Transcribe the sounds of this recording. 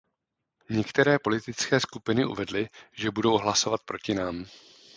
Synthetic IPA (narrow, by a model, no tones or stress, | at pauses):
ɲɛkt̪ɛɾɛːpo̞lɪt̪ɪt͡skɛːskupɪnɪʔṵvɛdlɪʒɛbudo̞wɦlaso̞vat̪̚pɾo̞cɪnaːm